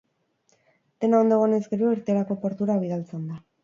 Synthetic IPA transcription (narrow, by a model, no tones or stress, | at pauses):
d̪e̞naond̪o̞ɣone̞zɡe̞ɾoeɾt̪eɾako̞po̞ɾt̪uɾaβ̞ið̞alt͡send̪a